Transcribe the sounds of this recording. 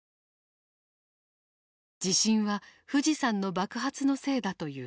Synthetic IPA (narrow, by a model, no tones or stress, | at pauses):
d͡ʑiɕĩɰ̃βaɸɯ̟ʑisãnːo̞bakɯ̟ɦat͡sɨno̞se̞ːd̪at̪o̞jɯ̟ː